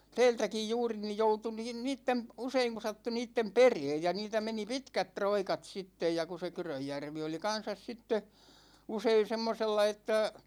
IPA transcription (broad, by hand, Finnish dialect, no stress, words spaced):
tɛːltækij juːri nij joutu niːn niːtːem p̆ useiŋ ku sɑtːu niːtːem pereːj jɑ niːtæ meni pitkæt troikɑt sitːej jɑ ku se kyrøjːærʋi oli kɑn̞sɑs sitːe usein̞ semːoselːɑ etːæ